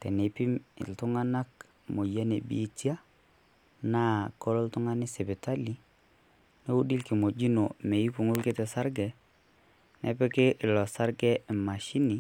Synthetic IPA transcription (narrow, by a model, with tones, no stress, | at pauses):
tɛ˨ne˨pi˦m̰˨ltʊ˦ŋa˦na˦k | mo˨ja˦ne˨bḭ˨˦tja˦ | na˦kɔ˦ɾɔ˦ltʊ˦ŋa˦nɪ˦sɛ˨bɪ˨ta˦li˦ | ne˦u˦di˦lki˨mo˨d͡ʒi˦no˨me˨i˦ku˨ŋʊ˦lkɪ˦tɛ˨sa˦ɾɡɛ˨ | nʔɛ̰˦pɛ˦ke˦ʔɪ˨lɔ˨sa˦ɾɡɛ˦˨ma˨ʃi˦nɪ˨˦